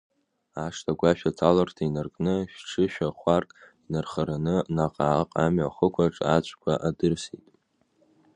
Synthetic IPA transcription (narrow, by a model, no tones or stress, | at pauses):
aʂtʰaɡʷaʃᶣat͡sʰalartʰainarkʼnɨʃᶣʈ͡ʂʰɨʃᶣaχʷarkʼinarχaɾanɨnaqʼaːqʼamɥaχəkʷʰaʈ͡ʂʼat͡ɕʷʰʼkʷʰaʔadɨrsitʼ